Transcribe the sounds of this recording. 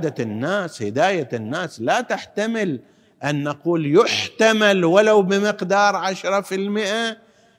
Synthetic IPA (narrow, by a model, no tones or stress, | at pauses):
d̪aɪnːaːshɪd̪aːjanːaːslat̪aħt̪amɪl | ʔanːaquːljʊħt̪amalwalawbɪmɪqd̪ɑːɾˤʕaʃɾˤɑfɪlmɪʔa